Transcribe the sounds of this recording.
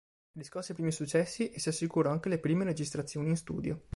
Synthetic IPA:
diskosiapɾiːmisut͡ʃːɛsːiʔesiasːikuːɾaŋk̟elepɾiːmeɾed͡ʒist̪ɾat̪sːjoːniːnst̪ṵːd̪jo

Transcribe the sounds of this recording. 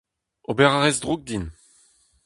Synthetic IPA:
obɛʁaʁɛzdʁuk̚d̪in

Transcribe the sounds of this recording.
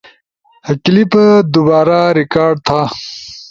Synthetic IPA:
hɐklipd̪ubaːɾaɾikaːɾɖ̚t̪ʰa

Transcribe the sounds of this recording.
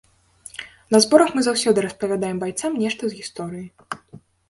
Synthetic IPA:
nɐzbɔɾɐxmɨzawsʲɔd̪ɨɾɐspɐvʲad̪ajɛmbajt̪samnʲɛʂt̪ɐzɣʲist̪ɔɾɨji

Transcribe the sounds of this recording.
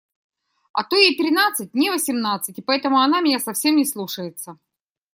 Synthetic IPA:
ɐ̰t̪ojɪt̪ɾʲɪnat̪sɨt̚ʲnʲɪvəsʲɪmnat̪sɨtʲɪpɐɛt̪əmʊɐnamʲɪnʲasɐfsʲe̞mnʲɪslˠuʂəjɪt̪sə

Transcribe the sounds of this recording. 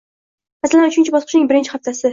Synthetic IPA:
masalanʊt͡ʃʰɪnt͡ʃʰɪbɒsqʰɨʃnɪŋbɪɾɪnt͡ʃʰɪ̥χaft̪ʰasɪ

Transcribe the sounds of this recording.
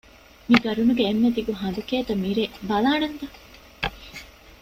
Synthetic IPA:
miɡɐɾunuɡeːnːed̪iɡuɦɐnd̪ukeːt̪ɐmiɾebɐlaːnent̪ɐ

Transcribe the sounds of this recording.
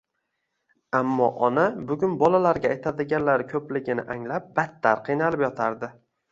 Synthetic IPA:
amːɒ̰ʔɒnabʊɡʲʊnbɒlalaɾɡʲaːjt̪ʰad̪ɪɡʲanlaɾɪkʲʰɵplɪɡʲɪnɪ̰ʔaŋlap̚bat̪ːaɾqʰɨjnalɪpjɒt̪ʰaɾd̪ɪ

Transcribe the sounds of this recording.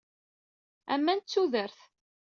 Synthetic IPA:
æ̰mːænt͡sːuðəɾθ

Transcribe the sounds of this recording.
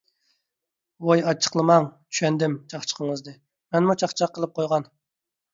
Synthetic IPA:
wojɑt͡ʃʰə̥qlˠɨmɑŋt͡ʃʰy̥ʃɛnd̪ɪmt͡ʃʰɑχt͡ʃʰə̥qʰəŋəzd̪ɨ | mɛnmut͡ʃʰɑχt͡ʃʰɑqʰːəlˠɨp̚qʰojʁɑn

